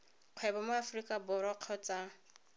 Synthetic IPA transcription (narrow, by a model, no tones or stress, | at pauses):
q͡χʰwɛbɔmʊafrikʼabʊɾɔq͡χʰɔt͡sʼa